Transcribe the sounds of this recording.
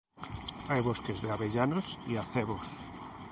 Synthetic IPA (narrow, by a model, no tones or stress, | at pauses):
ajβoskezðeaβeʎanosiaθeβos